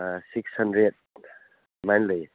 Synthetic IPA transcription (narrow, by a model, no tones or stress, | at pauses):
sikshʌndɾed̚ | majnli